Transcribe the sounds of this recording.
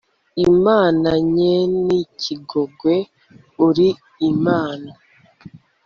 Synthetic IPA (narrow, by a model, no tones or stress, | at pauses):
imaːnaɲenicʰiɡo̞ɡwe | uɾi | imaːna